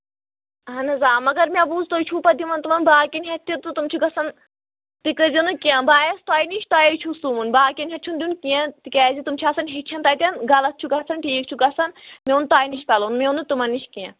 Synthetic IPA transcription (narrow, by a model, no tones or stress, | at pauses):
ɦɐnɐzaːmɐɡɐɾmʲabuːzt̪oːjt͡ʃʰupɐd̪imɐnt̪umɐnbaːkʲinɦʲɐt̪ʲːit̪ut̪umt͡ʃʰuɡɐsɐn | t̪ikɨzinɨkiãbaːjɐst̪aːjniʃt̪aːjɐjt͡ʃʰusumunbaːkʲɐnʲɦɐt̪̚t͡ʃʰund̪ʲunkiãt̪ikʲɛːzit̪umt͡ʃʰiɐsɐnɦit͡ʃʰɐnt̪aːjt̪ʲɐnɡɐlɐt̪̚t͡ʃʰuɡɐsʰɐnʈʰiːk̚t͡ʃʰuɡɐsɐnmʲeunt̪aːjniʃkɐlonmeunɨt̪umɐnːiʃkiã